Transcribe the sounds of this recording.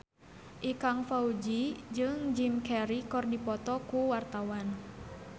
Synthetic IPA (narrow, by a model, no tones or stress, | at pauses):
ʔikaŋfaud͡ʒid͡ʒɨŋd͡ʒimkɛɾikɔrdipɔt̪ɔkuwart̪awan